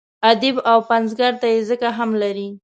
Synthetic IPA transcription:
ad̪ɪbawpanzɡaɾt̪ajezəkaɦamlaɾi

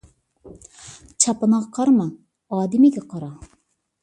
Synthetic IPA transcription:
t͡ʃʰɑpɨnɑʁqʰɑɾmɑ | ɑːd̪ɪmiɡʲɛqʰɑɾɑ

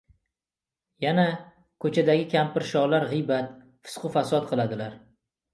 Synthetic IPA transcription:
jana | kʰɵt͡ʃʰad̪aɡʲɪkʲʰampɪɾʃɒʁlaɾʁɨjbat̪ | fɪ̥sqɨfasɒt̪̚qʰɨlˠad̪ɪlaɾ

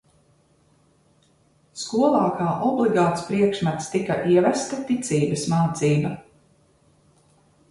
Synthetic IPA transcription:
skuɔlˠaːkʰaːʔɔblˠiɡaːt̪spɾiɛkʃmat̪st̪ikaʔiɛvæst̪at̪it̪sʲiːbɐsmaːt̪siːba

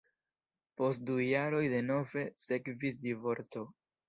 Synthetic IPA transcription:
po̞st̚dujaɾo̞jde̞no̞ve̞se̞kvisdivo̞ɾt͡so̞

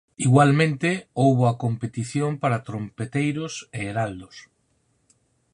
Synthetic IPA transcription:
iɣwalmẽnt̪eowβoakompet̪iθjompaɾat̪ɾompet̪ejɾoseːɾald̪os

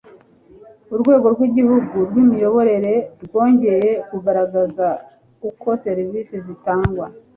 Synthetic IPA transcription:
uɾɡwe̞ːɡo̞ɾɡwiɟihuɡuɾwimijo̞βo̞ɾe̞ɾe̞ɾɡwo̞ːɲɟe̞je̞kuɡaɾaɡaza | uko̞se̞ɾiviːsezitaːŋɡwa

